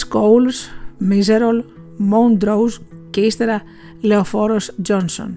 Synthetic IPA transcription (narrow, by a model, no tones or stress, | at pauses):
skowlsmizeɾol | mond̪ɾowz | kest̪eɾa | leofɔɾosd͡ʒɔnso̰n